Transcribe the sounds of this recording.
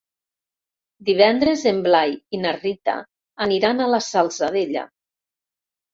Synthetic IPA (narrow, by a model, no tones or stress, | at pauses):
d̪iβ̞ɛnd̪ɾezemblajinarit̪a̰ː | niɾanalasalˠsaðeʎa̰